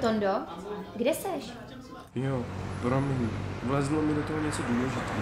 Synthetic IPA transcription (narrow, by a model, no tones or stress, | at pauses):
t̪ondoɡdɛsɛʃ | jopɾomɲivlɛzlomɪdot̪oɦoɲɛt͡soduːlɛʒɪt̪ɛ